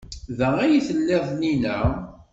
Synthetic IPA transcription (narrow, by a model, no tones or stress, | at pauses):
ðææjiθəlːeðˤninæ